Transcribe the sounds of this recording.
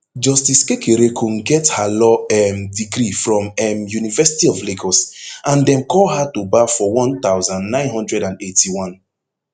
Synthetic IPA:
d͡ʒɔstiskekeɾekʰõnɡɛthalɔɛmdiɡɾifɹɔ̃mɛmjunivɛsi̥tiɔvleɡɔsãndɛ̃mkɔlɦatubafɔwɔ̃nt̪aʊzãnːãɪ̃nɦɔ̃ndɹɛdãnetiwɔ̃n

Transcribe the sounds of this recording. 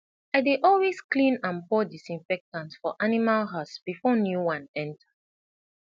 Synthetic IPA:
aɪdeʔɔlwesklĩnãnpɔdisĩɱfɛk̚tãnsfɔʔanimalɦatsb̥ifɔnjuwãnɛ̃ntʰḁ

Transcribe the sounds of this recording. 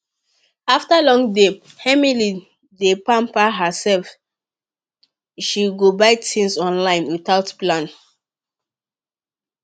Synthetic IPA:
aftalɔ̃ŋde | hɛmili | depãmpaɦəsɛlf | ʃiɡobaɪtʰĩnsɔ̃nlãɪ̃nwiθaʊtplãn

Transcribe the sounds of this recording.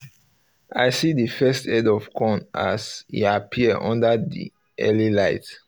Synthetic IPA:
ʔajsidəfɛstɛdɔv̥kʰɔ̃na̰sḭapʰiəʔɔ̰̃ndədḭ | ʔɛ̰lilaɪt

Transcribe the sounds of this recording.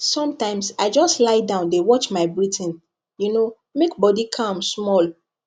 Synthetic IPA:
sɔ̃mtãɪ̃msaɪd͡ʒɔstlaɪdãʊ̃ndewɔt͡ʃmaɪbɹitʰĩn | juno | mekbɔdikʰãmsmɔl

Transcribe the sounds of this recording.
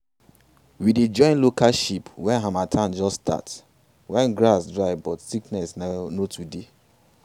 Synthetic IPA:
wided͡ʒɔ̃ɪ̃nlokaʃipwɛ̃nɦamatʰãnd͡ʒɔsta̰ts | wɛ̃nɡɾasdɹaɪbɔtsiknɛsnanotʰude

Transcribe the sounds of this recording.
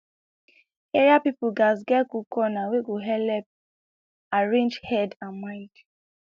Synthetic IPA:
ɛɹiapipuɡazɡɛkukɔnaweɡoɦɛlɛp̚ | aɹẽnd͡ʒhɛdãnmaɪt

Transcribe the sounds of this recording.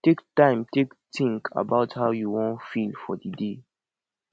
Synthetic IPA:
tektãɪ̃mtektʰĩŋkʰa̰baʊthaʊjuwɔ̃nfilfɔdide

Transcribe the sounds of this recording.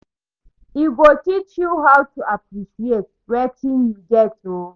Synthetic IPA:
iɡotit͡ʃjuɦawtuapɾiʃiet̚ɹɛtĩnjudɛto

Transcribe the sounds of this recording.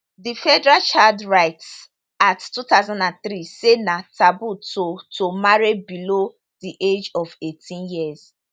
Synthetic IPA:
difɛdɛɹat͡ʃadɹaɪts | attutaʊzãndãnθɾisenatʰabutotʰomaɹibilo | diʔed͡ʒɔvetʰĩnjiɛz̥

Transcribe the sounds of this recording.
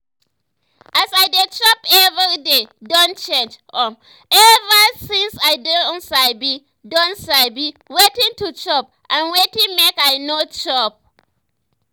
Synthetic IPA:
ʔasajdet͡ʃɔpɛvidedɔ̃nt͡ʃẽnd͡ʒʔɔm | ʔɛvasɪ̃nsajdɛɔ̃nsajbi | dɔ̃nsaɪbiwetɪ̃ŋtut͡ʃɔp̚ | ʔãnwetɪŋmekajnot͡ʃɔp̚

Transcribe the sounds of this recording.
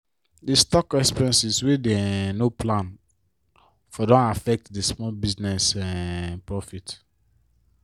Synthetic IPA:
destɔkɛkspiɛ̃nsiswedenoplãn | fɔdɔ̃nafɛk̚tdesmɔlbiznɛsɛpɹɔfit

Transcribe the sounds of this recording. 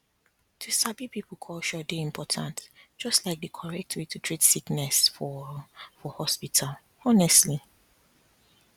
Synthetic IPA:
tʰusabipipl̩ˠkʰɔlʃɔdeĩmpʰɔtʰãntd͡ʒ̥ɔstlaɪk̚dɨkʰɔɹɛk̚tʰwetutʰɹitsiknɛsfɔfɔhɔspitʰal | ɔnɛstli

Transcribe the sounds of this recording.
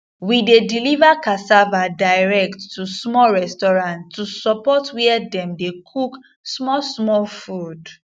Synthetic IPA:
widedilivakasavadaɪɹɛktːusmɔɹɛstɔɹãntːusɔpɔtwiɛdɛ̃mdekʰuk | smɔsmɔlfud

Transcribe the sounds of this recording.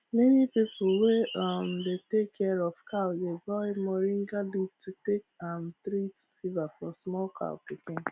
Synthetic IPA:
mɛnipip̩weʌmd̪etekʰːɛɹɔv̥kʰaʊdeɡɔemɔɾĩŋɡalivtʰutekãmθɾitfivafɔsmɔlkʰa̰ʊpikẽn

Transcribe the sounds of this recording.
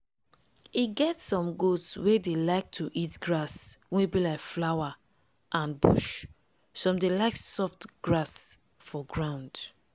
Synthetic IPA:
iɡɛtsɔ̃mɡodswedelaɪk̚tʰuʔitɡɹaswẽbilaɪkflawa | ʔãnbṵʃ | sɔ̃mdelaɪksɔftɡ̥ɹas | fɔɡɹãʊ̃nd

